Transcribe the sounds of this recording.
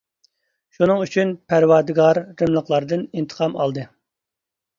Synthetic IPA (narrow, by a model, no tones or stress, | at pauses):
ʃunɨŋyt͡ʃʰynpʰæɾwɑɾd̪ɨɡɑɾːɨmlˠəqlˠɑɾd̪ɨnint̪ʰə̥qʰɑmɑ̰lˠd̪ɨ